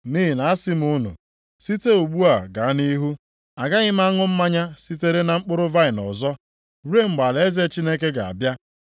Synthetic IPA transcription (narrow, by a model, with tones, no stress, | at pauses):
niː˦ɦi˨na˨a˦si˦m˦ʊ˦nṵ˨ | si˦te˦u˨ɡ͡bu˦a˨ɡa˨a˦ni˦ɦu˦ | a˨ɡa˦ɣɪ˦m̩˦a˦ŋʊ˦m̩˦ma˦ɲa˦si˦te˦ɾe˦na˨ŋ͡m̩˦k͡pʊ˦ɾʊ˦va˦ɪ˨nɔ̰˨zɔ˦ | ɾe˦ŋ͡m̩˨ɡ͡ba˨le˦ze˦t͡ʃi˦ne˦ke˦ɡa˨a̰˨bja˦